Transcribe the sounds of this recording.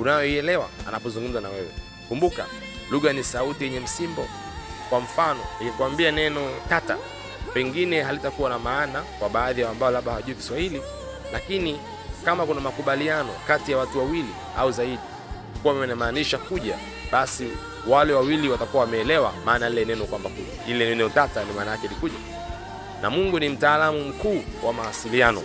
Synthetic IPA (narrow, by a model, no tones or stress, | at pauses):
unajɔiɛlɛwa̰a̰napɔzuŋɡum̩zanawɛwɛ̰ | kumbuka̰ | luɣanisautijɛɲɛm̩simbɔ | kwaɱ̩fanɔniŋɡakuambianɛnɔkata̰ | pɛŋɡinɛɦalitakuwanamaːnakwaɓaːðijaambaɔlaɓahawaʄuiki̥swahili | lakini | kamakunamakuɓalianɔ̰katijawatuwawili | a̰uzaiɗi | ukuwamimɛnamaːniʃakuʄa | ɓasi | walɛwawiliwatakuwawamɛːlɛwamaːnailɛnɛnɔkwambakuʄailɛnɛnɔtatanimaːnajakɛlikuʄa | na̰muŋɡunim̩taːlamum̩kuːwʔamawasilianɔ̰